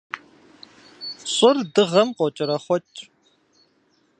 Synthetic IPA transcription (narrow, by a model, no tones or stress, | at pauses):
ɕʼɪrdɨʁɐmqʷɔt͡ʃʼɪɾɐχʷɔt͡ʃʼ